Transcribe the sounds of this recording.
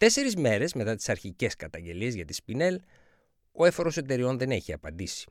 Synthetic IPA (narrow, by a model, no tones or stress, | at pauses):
t̪e̞se̞ɾizme̞ɾe̞zme̞t̪ɐt̪i̥sɐɾçice̞skɐt̪ɐɲɟe̞liezʝɐt̪i̥spine̞l | o̞efo̞ɾo̞se̞t̪e̞ɾio̞nðe̞ne̞çiɐpɐnd̪isi̥